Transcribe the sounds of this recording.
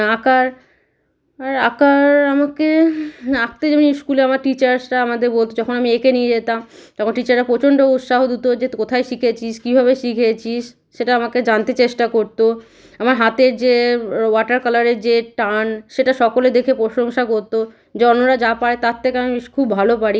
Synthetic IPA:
akaɾ | aɾakaɾamake | ak̚t̪ed͡ʑamniskuleamaɾʈit͡ɕaɾsʈaamad̪eɾbolt̪od͡ʑɔkʰonamiekenied͡ʑet̪amt̪ɔkʰonʈit͡ɕaɾɾapɾot͡ɕoɳɖout̪ʃaɦod̪ut̪od͡ʑekot̪ʰaejʃikʰet͡ɕʰiʃkibʱabeʃikʰet͡ɕʰiʃː | eʈaamaked͡ʑant̪et͡ɕeʃʈakoɾt̪o | amaɾɦat̪eɾd͡ʑewaʈaɾkalaɾeɾd͡ʑeʈanʃeʈaʃɔkoled̪ekʰepɾoʃoŋʃakoɾt̪o | d͡ʑɔnoɾad͡ʑapaɽet̪at̪ʰːekeamiikʰubːʱalopaɽi

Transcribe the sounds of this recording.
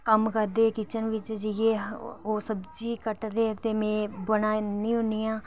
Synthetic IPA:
kəmkəɾd̪eːkit͡ʃənʋɪt͡ʃd͡ʒjeːoːsəbd͡ʒiːkəʈd̪eːt̪eːmẽːbənaːnĩːɦʊnijãː

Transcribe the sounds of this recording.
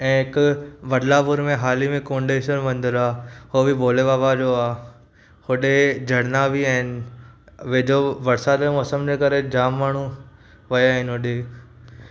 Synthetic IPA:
ɛ̃ːɦɪkʊʋɐɖlabʊɾmẽɦaːlimẽkõːɳɖeːʃəɾmɐ̃nd̪əɾaːɦoːbiboːleʋaːʋad͡ʑoaː | hʊɗed͡ʑʱɐɽnabiãːɪnɪ | ʋed͡ʑoʋɐɾsad̪emɔːsəmd͡ʑekɐɾed͡ʑaːmːaːɳ̤̃u | ʋɐjaːɦɪnɦʊɗe

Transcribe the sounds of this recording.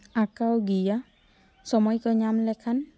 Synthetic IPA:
akawɡija | sɔmɔjkɔɲamlɛkʰan

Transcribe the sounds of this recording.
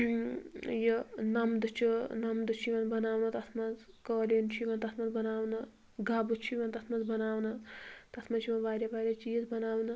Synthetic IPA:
jənɐmd̪ɨt͡ʃʰunɐmd̪ɨt͡ʃʰiʋɐnbɐnaːʋnɐt̪ɐt̪ʰmɐd͡z | kəːlint͡ʃʰiʋɐnt̪ɐt̪ʰmɐnbɐnaːʋnɐ | ɡaːbut͡ʃʰiʋɐnt̪ɐt̪ʰmɐd͡zbɐnaːwnɐt̪ɐt̪ʰmɐt͡ʃʰiʋɐnʋaːɾʲeʋaːɾʲɐt͡ʃiːzbɐnaːʋnɐ

